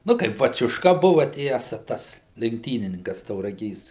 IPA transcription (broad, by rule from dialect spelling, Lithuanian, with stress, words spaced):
ˈnʊ tɐɪ bɐt͡sʲʊʃˈkɐ ˈbʊʋɐ ˈtʲiɛsɐ ˈtɐs lʲɛŋkˈtʲiːnʲɪnʲɪŋkɐs tɐʊrɐˈɡʲeːs